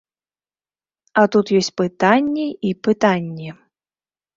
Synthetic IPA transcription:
ɐt̪ut̪jɔsʲt͡sʲpɨt̪anʲːɛipɨt̪anʲːɛ

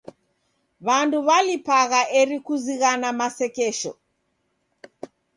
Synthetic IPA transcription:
βanduβalipaɣaʔɛɾikuziɣanamasɛkɛʃɔ̰

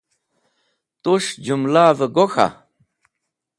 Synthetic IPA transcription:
t̪uʃd͡ʒumlavəɡoxa̰

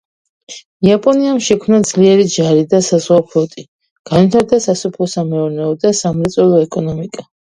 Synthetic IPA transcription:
iapʼɔniamʃɛkʰmnad̪z̥liɛɾid͡ʒaɾid̪asazʁwapʰlɔt̪ʼi | ɡ̥anwit̪ʰaɾd̪asasupʰlˠɔsamɛuɾnɛɔd̪asamɾɛt̪sʼɔlˠɔɛkʼɔnɔmikʼa

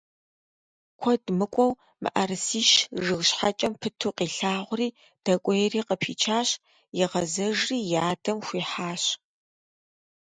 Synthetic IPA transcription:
kʷʰɔdmɨkʷʼɔw | mɨ̰ʔɐrsiːʃʒɨɣɕħat͡ʃʼɐmpʰɨtʰuːqiːɬaːʁʷʊriː | d̥ɐkʷʼɔjɛriːqəpʰiːt͡ʃʰaːɕ | jɪʁɐzɐʒriːjaːdɐmxʷiːħaːɕ

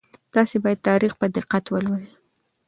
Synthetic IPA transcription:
d̪̥ɑsebɑjad̪̚t̪ɑɾixpəd̪ɪqat̪wəlwəɾə

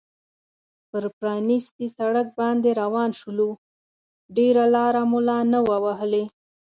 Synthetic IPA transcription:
pəɾpɾɑnist̪isaɽək̚bɑnd̪eɾawɑnʃulu | ɖeɾalɑɾamulɑnəwawaɦəle

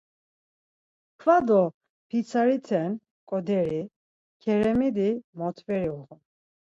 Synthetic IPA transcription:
kʰvad̪ɔ | pʰisʰaɾit̪ʰɛn | kʼɔd̪ɛɾi | kʰɛɾɛmid̪imɔt̪ʰvɛɾiɔʁɔ

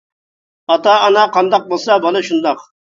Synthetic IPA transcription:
ɑt̪ɑːnɑqʰɑnd̪ɑq̚bolˠsɑbɑlˠɨʃund̪ɑq

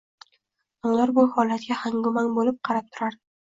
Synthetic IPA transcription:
ʊŋlˠaɾbʊhɒlat̪̚ɡʲahaŋɡʊmanbolɪp̚qʰɑɾap̚t̪ʰʊɾaɾd̪ɪ

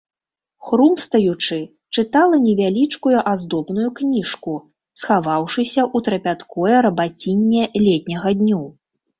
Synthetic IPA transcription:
xɾumst̪ɐjut͡ʂɨ | t͡ʂɨt̪alˠɐnʲɛvʲalʲit͡ʂkujuʔazd̪ɔbnujuknʲiʂku | sxavawʂɨsʲɐʔut̪ɾɐpʲat̪kʰɔjɛɾɐbat͡sʲinʲːɛlʲɛt̪ʲnʲɐɣɐd̪ʲnʲu

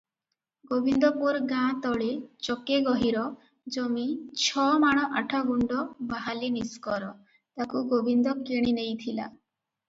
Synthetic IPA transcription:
ɡobʱind̪ɔpuɾɡãt̪ɔɭet͡ʃɔkeɡɔɦiɾɔ | d͡ʒɔmit͡ʃʰɔmaɽ̃ɔʔaʈʰaɡuɳɖɔbaɦaliniskɔɾɔ | t̪akuɡobʱind̪ɔkeɽ̃inejt̪ʰila̰

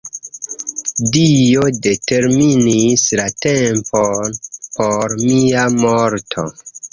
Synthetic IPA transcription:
dijode̞te̞ɾminislatemponpoɾmiamoɾtʰo̰

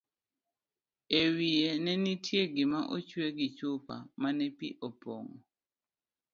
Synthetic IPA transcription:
ewienɛnitʰjeɡɪmaʔot͡ʃweɡit͡ʃupa̰manɛpiʔɔpɔ̰ŋɔ̰

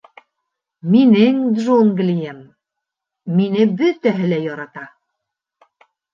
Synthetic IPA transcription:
minɘŋd̪ʒuŋɡlʲijemː | inɘbɵt̪æɦɘlæjɒɾɑt̪ɑ

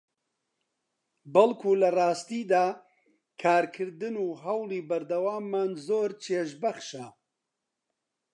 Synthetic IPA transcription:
bɐlkʰuːlɐrɑːst̪iːd̪aː | kʰaːɾkʰɨɾd̪ɨnuːɦɐwliːbɐɾd̪ɐwaːmːaːnzoːɾt͡ʃʰeːʃbɐχʃɐ

